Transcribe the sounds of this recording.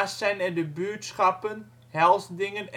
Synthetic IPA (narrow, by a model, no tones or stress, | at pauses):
ssɛjnɛdəbytsχɑpən | hɛlˠsdɪŋən